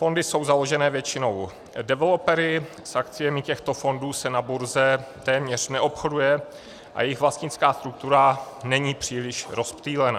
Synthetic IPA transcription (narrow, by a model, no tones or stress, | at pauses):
fo̞ndɪso̞wzalo̞ʒɛnɛːvjɛt͡ʃɪno̞w | dɛvɛlopɛɾɪ | sʔakt͡sɪjɛmɪcɛxt̪o̞fo̞nduːsɛnabuɾzɛt̪ɛːmɲɛr̝̥nɛʔo̞pxo̞dujɛ | ʔa̰jɛjɪxvlast̪ɲɪt͡skaːst̪ɾuk̚t̪uɾa | nɛɲiːpr̝̥iːlɪʃɾo̞spt̪iːlɛna